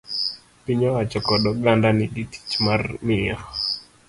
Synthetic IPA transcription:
piɲɔwat͡ʃɔkɔɗɔɡandaniɗiti̥t͡ʃmarmiax

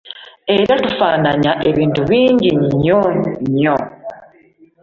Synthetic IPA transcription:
e̞ɾatufanaɲaʔe̞βiːntuβiːɲɟiɲɲoɲo

